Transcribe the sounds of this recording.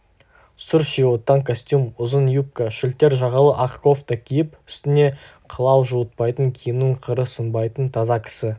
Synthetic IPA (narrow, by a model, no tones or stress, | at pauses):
sʊɾʃiot̪ːɑŋkʰosʲt̪ʲjumʊzənjup̚kaʃɪlt̪e̞ɾʒɑʁɑlˠəʔɑqko̞ft̪əkʲʰijɪpʏ̥st̪ɪne̞ | qʰəlˠɑwʒuət̪̚pɑjt̪əŋkʲʰijɪmnɪɴqʰəɾəsəmbɑjt̪ənt̪ʰɑzɑkʲʰɪ̥sɪ